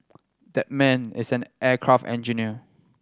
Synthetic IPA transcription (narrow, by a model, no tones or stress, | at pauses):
dɛt̚mɛ̃nɪ̰sɛ̃nʔɛkʰɹaftɛ̰̃nd͡ʒiniə